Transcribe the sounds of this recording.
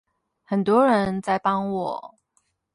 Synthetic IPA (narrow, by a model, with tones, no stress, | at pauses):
xə˨˩nt̪wɔ˦˥ɻə˧˦nt͡sa˥˩ɪpɑ˥ŋwɔ˨˩˦